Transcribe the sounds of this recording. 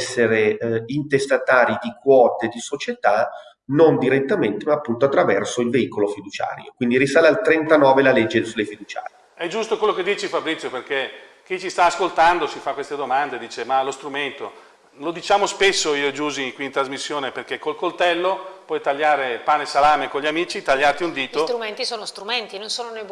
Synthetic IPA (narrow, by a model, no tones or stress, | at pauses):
sːeɾeint̪est̪at̪aːɾid̪ikwɔːt̪ed̪isot͡ʃet̪a | nond̪iɾet̪ːament̪emaːpːunt̪oat̪ːɾavɛrsoilveikolofid̪ut͡ʃa̰ːɾjo̰kwind̪iɾisaːlealt̪ɾent̪anɔːvelaled͡ʒːesulːefid̪ut͡ʃa̰ːɾj | ɛd͡ʒust̪okwelːoked̪ːiːt͡ʃefabɾit̪sjoperke | k̟it͡ʃist̪aːskolt̪and̪osifakːwest̪ed̪omand̪ed̪iːt͡ʃemalost̪ɾument̪o | lod̪it͡ʃaːmospesːoiːod͡ʒuːziŋkwiːnt̪ɾazmisːjoːneperk̟ekːolkolt̪ɛlːopwɔjt̪aʎːaːɾepaːnesalaːmekoɲʎiamiːt͡ʃit̪aʎːart̪iund̪iːt̪sot̪ɾument̪isoːnost̪ɾument̪inõnsoːnone